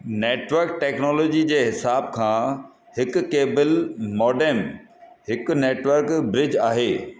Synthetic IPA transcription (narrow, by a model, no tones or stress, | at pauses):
neːʈʋəɾk̚ʈeːknɔːloːd͡ʑid͡ʑeːɦɪsaːb̚kʰãː | hɪkʊkeːbəlmɔːɖeːm | ɦɪkʊ̆neːʈʋəɾkbɾɪd͡ʑaːɦeː